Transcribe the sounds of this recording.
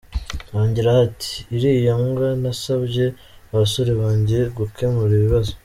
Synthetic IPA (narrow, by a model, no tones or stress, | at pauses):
waːɲɟiɾahatʰi̥ːɾijamɡanasabɟe̞ | aβaso̞ɾeβaːɲɟeeɡukʰe̞muɾiβiβazo